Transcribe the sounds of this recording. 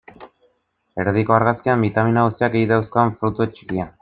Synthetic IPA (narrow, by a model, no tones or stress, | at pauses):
e̞ɾðiko̞aɾɣaskiambit̪aminaɣust̪iakejðawsko̞aɱfɾut̪uet͡ʃi̥kia